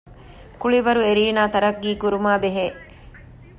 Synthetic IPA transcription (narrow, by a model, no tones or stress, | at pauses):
kuɭiʋɐɾueɾiːnaːt̪ɐɾɐɡːiːkuɾumaːbeɦeː